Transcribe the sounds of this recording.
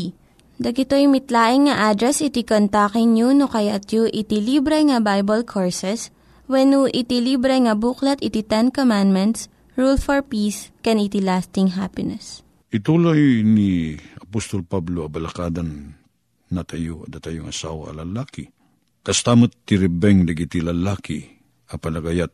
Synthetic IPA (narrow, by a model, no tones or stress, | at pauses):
d̪ɐɡɪt̪ojmɪt̪laːʔɪŋːɐʔad̪ɾɛsɪt̪ikont̪akɪŋɲunokɐjat̪juʔɪt̪ɪlibɾɛŋɐbajbɐlkʰoɹsɛs | wɛnuʔɪt̪ɪlibɾɛŋɐbuklɐt̪ɪt̪it̪ɛnkomand̪mɛnt̪s | ɹulfɔɹpiskɛnɪt̪ilast̪ɪŋɦapɪnɛs | ʔɪt̪uːlajniɐpost̪olpabloɐbɐlɐkaːd̪anː | ɐt̪ɐjoɐd̪ɐt̪ɐjoŋɐsaːwɐ̰ɐ̰lɐlaːkɪ | kɐst̪aːmat̪ːɪɾɛbɛŋd̪ɐɡit̪ilɐlaːkɪ | ʔɐpɐlɐɡajat̪̚